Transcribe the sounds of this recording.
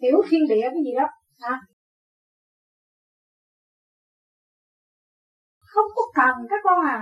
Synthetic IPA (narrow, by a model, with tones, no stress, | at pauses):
i˨˦əwxi˧ənɗḭ˧˨ə˧və˨˦zi˨˩ɗɔ˨˦ | haː˧˩ | xə˧wŋ͡mkɔ˨˦˥kə˨˩n˨kaː˨˦˥k̚kɔ˧haː˨˩